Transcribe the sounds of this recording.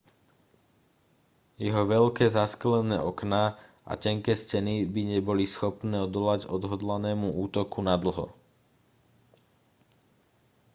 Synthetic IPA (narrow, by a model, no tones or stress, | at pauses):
jɛɦɔʋɛʎkɛːzasklɛnɛ̰ːʔɔknaː | ʔa̰cɛŋkɛːscɛnibiɲɛbɔlisxɔpnɛːɔd̪ɔlaɟɔd̪ɦɔd̪lanɛːmuuːt̪ɔkunad̪l̩ɦɔ̰